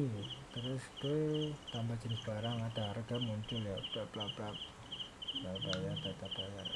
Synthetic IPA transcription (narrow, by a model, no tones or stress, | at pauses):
t̪əɾʊsd̥ot̪ambḁd͡ʒənɪb̥aɾaŋad̥̪a̤rɡ̥a̤muɲt͡ʃʊljaplaplaplap | blabajart̪at̪ab̥ajar